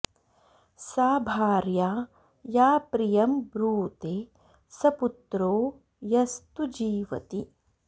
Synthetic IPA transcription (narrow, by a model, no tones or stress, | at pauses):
saːbʱaːɾjaː | jaːpɾijɐmbɾuːt̪eː | sɐput̪ɾoː | jɐst̪ud͡ʒiːʋɐ̰t̪i